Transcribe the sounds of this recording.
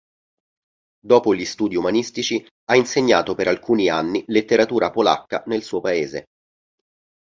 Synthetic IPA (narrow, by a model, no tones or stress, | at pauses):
d̪oːpoʎist̪uːd̪iumanist̪it͡ʃi | ainseɲːaːt̪opeɾalkuːnianːilet̪ːeɾat̪uːɾapola̰kːa̰nelsuːopaeːze